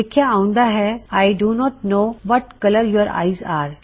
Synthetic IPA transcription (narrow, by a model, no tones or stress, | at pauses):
ɪkʰjaaũnd̪aɦɛajɖunɔʈ̚noːʋɔʈkɐləɾjɔɾa̰ɪjzaɾ